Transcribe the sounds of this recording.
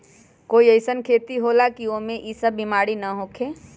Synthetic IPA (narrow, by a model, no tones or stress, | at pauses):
koːiəɪsənkʰeːt̪iɦolakiomẽʔisəbːimaːɽinɐɦoːkʰeː